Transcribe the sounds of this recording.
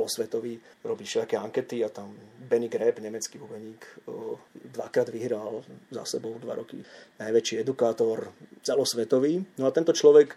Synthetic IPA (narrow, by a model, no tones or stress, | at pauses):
ɛlɔsʋɛt̪ɔʋiː | ɾɔbiːʃɛlakɛːaŋkɛt̪iat̪ambɛniɡɾɛbɲɛmɛt͡skiːubɛɲiːk | d̪ʋa̰kɾaːd̪ʋiɦɾalza̰sɛbɔʊd̪ʋa̰ɾɔkḭnajʋɛt͡ʃiːɛd̪ukaːt̪ɔɾt͡sɛlɔsʋɛt̪ɔʋiːnɔat̪ɛnt̪ɔt͡ʃlɔʋɛk